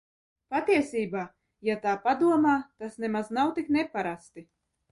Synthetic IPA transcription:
pat̪iɛsʲiːbaː | jat̪aːpad̪uɔmaːt̪asnɛmaznawt̪iknɛpaɾast̪i

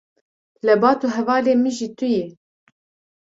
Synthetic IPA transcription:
lɛbɑːt̪uɦɛvɑːleːmiʒit̪ujɛ

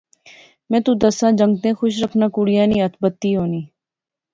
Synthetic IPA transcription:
mɛ̃ːt̪ũd̪əsãːd͡ʒə̃ŋɡt̪ẽːxʊʃ̬ɾəkʰnaːkʊɽɪjãːnĩːət̪ʰbət̪ːiːɦoːniː

